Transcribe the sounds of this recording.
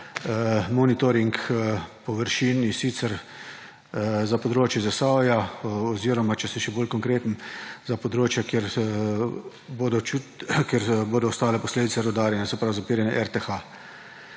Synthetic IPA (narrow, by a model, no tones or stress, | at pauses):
mɔnit̪ɔɾiŋkpɔʋəɾʃinisit̪sɛɾ | zapɔd̪ɾoːt͡ʃjɛzasajaɔziːɾɔmat͡ʃɛsiʃɛboːlkɔŋkɾeːt̪n̩zapɔd̪ɾoːt͡ʃjakeɾ | boːd̪ɔt͡ʃukjɛɾboːd̪ɔːst̪aːlɛpɔsleːd̪itsɛɾɛwd̪aːɾjɛnɛsɛpɾawzapiːɾjɛnɛʔɛɾt̪exa